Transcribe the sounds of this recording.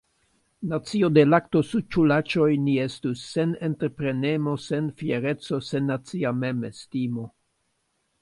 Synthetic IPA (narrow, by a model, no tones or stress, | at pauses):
nat͡sio̞de̞lakto̞sut͡ʃulat͡ʃo̞jnie̞stusːe̞ne̞nteɾpɾe̞ne̞mo̞se̞nfje̞ɾe̞t͡so̞se̞nːat͡siamemestimo̞